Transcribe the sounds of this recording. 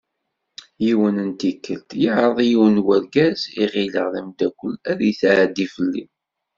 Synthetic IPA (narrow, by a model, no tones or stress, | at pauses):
jiwənənt̪ikːəlt̪jəʕɾˤəðˤjiwənwəɾɡæziʁiləʁðəmd̪ækʷːəlːæðjθʕd̪ifəlːḭ